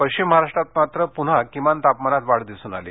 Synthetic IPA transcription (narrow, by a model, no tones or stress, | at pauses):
pəjɕt͡ɕimːəɦaɾaʂʈɾat̪̚mat̪ɾəpun̤akimant̪apmanat̪ʋaɽd̪isuːna̰lḛ